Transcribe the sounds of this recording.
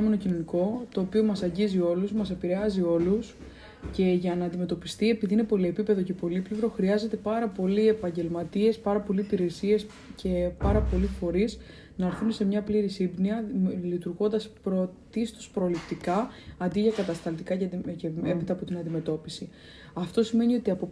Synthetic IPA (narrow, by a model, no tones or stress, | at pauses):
meno̞cino̞niko̞t̪o̞ːpio̞mɐsɐɲɟizio̞lusmɐse̞piɾe̞ɐzio̞lus | ce̞ʝɐnɐːnd̪ime̞t̪o̞pist̪ie̞piðiine̞po̞lie̞pipe̞ðo̞ce̞po̞liplivɾo̞xɾiɐze̞t̪e̞pɐɾɐpo̞liepɐɲɟe̞lmɐt̪ie̞spɐɾɐpo̞liːpiɾe̞sie̞s | cʰe̞pɐɾɐpo̞lifo̞ɾiz | nɐɾθunse̞mɲɐpliɾisibniɐlit̪uɾɣo̞nd̪ɐspɾot̪ist̪ospɾo̞lipt̪ikɐɐnd̪iʝɐkɐt̪ɐst̪ɐlt̪ikɐceceepit̪ɐːpo̞t̪inɐnd̪ime̞t̪o̞pisi | ɐft̪o̞sime̞nio̞t̪iɐpo